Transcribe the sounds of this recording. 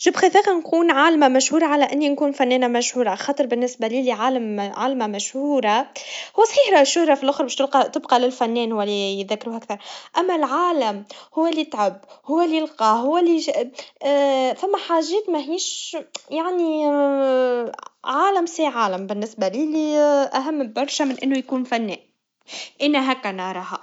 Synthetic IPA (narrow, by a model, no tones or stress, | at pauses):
ʒibxiθiːqɑnkuːnʕaːlmamæʃhuːɾˤɑʕalæʔɪnːinkuːnfænːɛːnæmæʃhuːɾˤɑxɑːt̪ˤəɾˤbɪnːɪsbæliliʕaːlamʕaːlmamæʃhuːɾˤahʊwːæsˤħiːħɾˤɑʔʃːʊhɾˤɑfilʔʊxɾˤbɛːʃt̪lqɑt̪ɪbqɑlɪlfænːɛːnhʊwælijt̪ðækːɾuːhʔækθɑɾˤʔæmːælʕaːlæmhʊwːælit̪ʕabhʊwːælilqɑɦʊwːæli | fæmːæħaːʒɛːt̪mæɦiːʃjaʕni | ʕaːlæmsiːʕaːləmbɪnːɪsbæliːliʔæɦæmːbɑɾˤʃæmɪnʔɪnːujkuːnfænːɛːn | ʔɪnːæɦækːænɑɾˤɑːhɑ